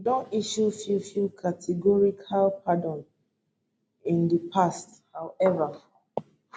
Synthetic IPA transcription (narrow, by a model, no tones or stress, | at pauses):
dɔ̃niʃufifjukʰatʰɛɡɔɹikʰalpʰadɔ̃n | ĩndipʰast | hawɛva